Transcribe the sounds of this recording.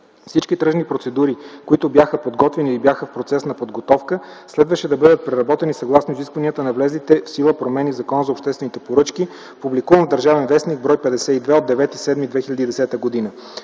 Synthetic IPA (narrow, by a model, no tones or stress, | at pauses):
fsit͡ʃkit̪ɾɤʒnipɾot̪sɛd̪uɾikoit̪ʊbjaxəpod̪ɡɔt̪vɛniibjaxəfpɾot̪sɛsnɐpod̪ɡot̪ɔfkə | slɛd̪vəʃɛd̪ɐbɤd̪ət̪̚pɾɛɾɐbɔt̪ɛnisɐɡlˠasnoiziskvəniət̪ənɐvlɛzit̪ɛfsilˠəpɾomɛnivzɐkɔnəzɐopʃt̪ɛst̪vɛnit̪ɛpoɾɤt͡ʃki | publikuvənvd̪ɐɾʒavɛnvɛsniɡ̚bɾɔjpɛd̪ɛsɛid̪vɛod̪ːɛvɛt̪isɛd̪mid̪vɛxilʲɐd̪id̪ɛsɛt̪əɡod̪inə